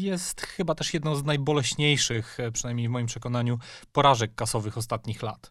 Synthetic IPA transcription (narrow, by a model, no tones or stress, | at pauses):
jɛst̪xɘbat̪ɛʂjɛd̪nɔ̃w̃znajbɔlɛɕɲejʂɘxpʂɛnajmɲejvmɔjimpʂɛkɔn̪aɲupɔɾaʐɛkːasɔvɘxɔst̪at̪ɲixla̰t̪